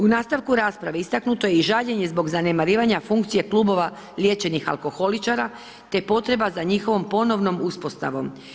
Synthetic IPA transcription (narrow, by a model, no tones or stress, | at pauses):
unaːst̪aʋkuɾaːspɾaʋeist̪aknut̪o̞jeiʒaʎe̞ɲe̞zbo̞ɡzane̞maɾiːʋaɲafuŋk̚t̪sije̞kluːbo̞ʋa | lje̞t͡ɕe̞nixa̰lˠko̞xo̞lit͡ʃaɾa | t̪e̞po̞t̪ɾe̞bazaɲixo̞ʋo̞mpo̞no̞ʋno̞muspo̞st̪a̰ʋo̞̰m